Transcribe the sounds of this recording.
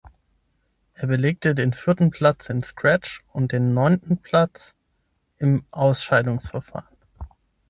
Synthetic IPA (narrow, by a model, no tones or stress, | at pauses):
ʔeːɐbəleːk̚tədeːnfɪɐtn̩pʰl̥at͡sɪnskʁ̥ɛt͡ʃʊnt̚d̥eːnːɔʏntn̩pʰl̥at͡s | ʔɪmʔaʊsʃaɪdʊŋsfɛɐfa̰ːʁən